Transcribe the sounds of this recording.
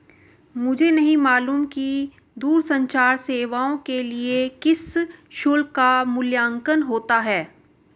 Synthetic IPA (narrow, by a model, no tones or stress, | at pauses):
mʊd͡ʒʱenɐɦĩmaːluːmki | d̪uːɾsɐ̃ɲt͡ʃaːɾseːʋaːõkeliekɪsʃʊlkamʊljaːŋkənɦoːt̪aɦɛː